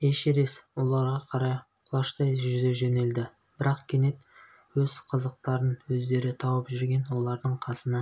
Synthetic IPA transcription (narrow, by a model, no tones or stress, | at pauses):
eʃeɾe̞swo̞lˠɑɾʁɑqʰɑɾɑj | lˠɑʃt̪ɑjʒʏd̪e̞ʒene̞ld̪ɪ | b̥ɪɾɑqkʲʰene̞t̪ | wɵz̥qʰəzəqt̪ɑɾənwɵzd̪e̞ɾɪt̪ʰɑwəpʒʏɾɡʲe̞nwo̞lˠɑɾd̪əɴqʰɑsənɑ